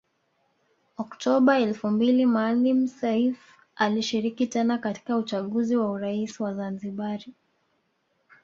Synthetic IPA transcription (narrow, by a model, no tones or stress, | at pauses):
ɔktʰɔɓaɛlfumbilimalim̩sɛif | aliʃiɾikitɛnakati̥kaut͡ʃaɠuziwauɾaisiwazanziɓaɾi